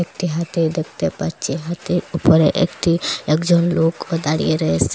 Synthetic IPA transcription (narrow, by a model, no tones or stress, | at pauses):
ek̚ʈiɦat̪iɾd̪ekʰt̪epɐɾt͡ʃiɦat̪iɾupɔɾɛʔḛkʈʰiekd͡ʒɔnloːkɔd̪aɽḭeɾəs